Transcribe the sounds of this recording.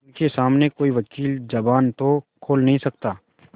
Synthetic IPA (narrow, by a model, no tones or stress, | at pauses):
ʊnkesaːmnekoːiʋɐkiːld͡ʒɐbaːnt̪okʰoːlnɐɦĩsɐk̚t̪aː